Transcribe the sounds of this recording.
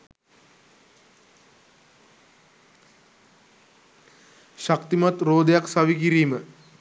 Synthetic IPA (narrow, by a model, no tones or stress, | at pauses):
ʃakt̪imat̪roːd̪ejaksaʋikiɾiːmə